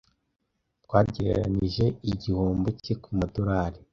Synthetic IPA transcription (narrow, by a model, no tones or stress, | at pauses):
tɡwaːɟeɾeɾaniʒe̞iɟihoːmbocekumadoɾaːɾi